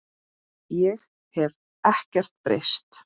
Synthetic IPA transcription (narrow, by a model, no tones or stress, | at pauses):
jɛɣ | hɛv | ɛhcɛr̥t̪̚pɾḛst̪